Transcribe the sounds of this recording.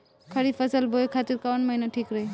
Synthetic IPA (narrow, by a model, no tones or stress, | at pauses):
kʰəɾipʰəsəlbokʰat̪iɾkawənməɦinaʈʰikɾəɦe